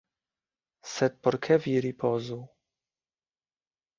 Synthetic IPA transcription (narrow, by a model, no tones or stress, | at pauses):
sɛt̪̚pɔɾkʰɛvʲiɾipʰɔzu